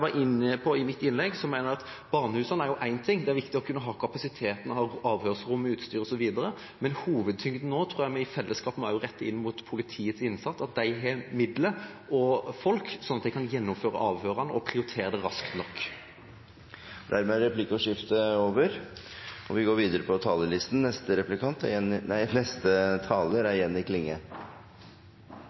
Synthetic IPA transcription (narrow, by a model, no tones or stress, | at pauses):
ʋɑɾʔɪnəpʰɔɪmɪt̪ːɪnlɛɡsɔmæɪnəɾɑt̪ | bɑʁnəhʉːsɑnæɾjʊʔæɪnt̪ʰɪŋːd̪ɛæɾʋɪkt̪ɪɔkʰʉnːəɦɑːkʰɑpɑsɪt̪ʰeːt̪ənhɑɑːʋhøːʁsɾʊmːʉːt̪st̪yːɾɔsɔʋiːd̪əɾə | mɛnhuːʋəd̪̚t̪ʰʏŋt̪noːt̪ʰɾuːjæɪmɛɪfɛlːəskɑːpəm̩æɾjʊɾɛt̪ːɪ̰nːmʊt̪pʰʊlɪt̪ʰiːət̪sɪnːsɑt̪sɑt̪̚d̪æɪɦɛmɪd̪ləʔɔfɔlksɔnːɑt̪̚d̪ɛɪkʰɑnjɛnːʊmføːɾə̰ʔɑːʋhøːɾɑnə̰ʔɔpʰɾɪʊɾɪt̪ʰeːɾəd̪ɛɾɑskt̪nɔkː | d̪æɾmɛɾɛplɪkʊʂɪft̪əoːʋəɾ | ɔʋɪɡoːɾʋiːd̪əɾəpʰɔt̪ʰɑːləlɪst̪n̩nɛst̪əɾɛplɪkʰɑnt̪æɛnæɪnɛst̪ət̪ʰɑːləɾæɾjɛnːɪkʰlɪŋːə